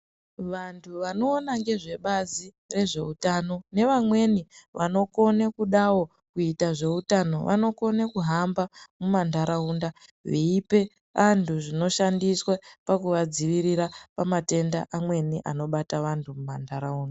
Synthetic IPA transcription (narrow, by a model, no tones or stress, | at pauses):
ʋantʰuʋano̞ːnaŋɡe̞ʐe̞ɓazi | re̞ʐe̞utaːno̞ne̞ʋamwe̞niʋano̞ko̞nekuɗawo̞ | kuitaʐe̞utano̞ʋa̰no̞ko̞nekuɦambamumandʱaɾauːndaʋiːpe̞ | ʋantʰuʐino̞ʃandiswapakuʋad͡ziʋiɾiɾapamate̞nda̰ʔamwe̞niʔa̰no̞ɓataʋantʰumumandaɾauːnda